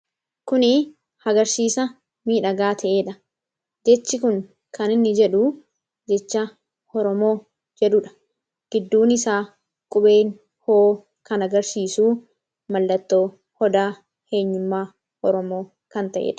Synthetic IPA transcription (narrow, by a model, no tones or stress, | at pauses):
kʊnɪ | hɐɡɐɾsiːsɐ | miːᶑɐɡaːt̪ʰɐʔeːᶑɐ | d͡ʒɛt͡ʃːɪkʊŋ | kɐnɪnːɪd͡ʒɛᶑu | d͡ʒɛt͡ʃːɐ | ɔɾɔmo̞ː | d͡ʒɛᶑʊᶑɐ̥ | ɡ̥ɪd̪ːuːnɪsaː | kʼʊɓeːŋ | hoː | kɐnɐɡɐɾsiːsuː | mɐlːɐt̪ːoː | hɔd̪aː | he̞ːɲːʊmːaː | ɔɾɔmo̞ː | kɐnt̪ɐʔḛːᶑɐ̥